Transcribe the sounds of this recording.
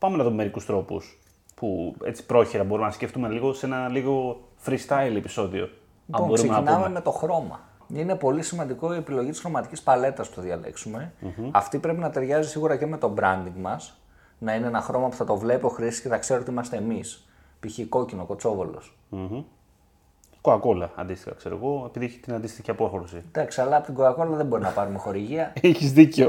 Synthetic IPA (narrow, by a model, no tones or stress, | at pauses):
pɐmenɐðumeme̞ɾikust̪ɾo̞pṵs | pue̞̰t͡si̥pɾo̞çiɾɐbo̞ɾuimenɐsceft̪umeliɣo̞senɐliɣo̞ | fɾist̪ɐilepi̥so̞ðio̞̰ | liɐbonbo̞sɾuemnɐinmeme̞t̪o̞xɾo̞mɐ̰ | ine̞po̞lisimɐnd̪iko̞ie̞piloʝit̪isxɾo̞mɐt̪icispɐle̞t̪ɐspu̥θɐðʝɐle̞̰ksume̞ɐft̪ipɾe̞pinɐt̪e̞ɾʝɐzisiɣuɾɐce̞me̞t̪o̞bɾɐnd̪iŋɡmɐs | nɐineenɐxɾo̞mɐpu̥θɐt̪o̞vle̞poxɾisi̥sceθɐkse̞ɾot̪iimɐst̪e̞ːmis | piçiko̞cinoko̞t͡so̞volo̞̰s̩ | koɐko̞lɐɐ̰nd̪ist̪i̥xɐ̰kseɾo̰ɣo̞epiðieçe̥t̪inɐnd̪ist̪içiɐpo̞xɾosid̪ɐksiɐlɐːpot̪iɡo̞ɐko̞lɐðebo̞ɾinɐpɐɾume̞xo̞ɾiʝiɐiçizðiceo